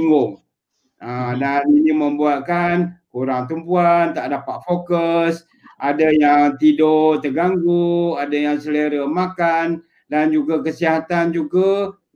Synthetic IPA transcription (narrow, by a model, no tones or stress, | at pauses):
ŋɡʊŋ | adaninĩməmbuat̪̚kankuɾaŋt̪umpuant̪aʔdapat̪̚fokəs | ʔadajaŋt̪idot̪əɡaŋɡuadajaŋsələɾəmakan | dand͡ʒuɡakəsiɦat̪and͡ʒuɡa